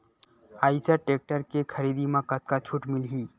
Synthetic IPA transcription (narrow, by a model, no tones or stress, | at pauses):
aːisaʈeːk̚ʈəɾkekʰəɾiːd̪imãkət̪̚kat͡ʃʰuːʈmɪlɦiː